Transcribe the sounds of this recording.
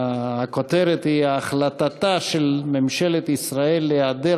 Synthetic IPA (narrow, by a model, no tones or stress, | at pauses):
akot̪eɾet̪hiaːχlat̪at̪aʃelmemʃelet̪isʁae̞lːead̪e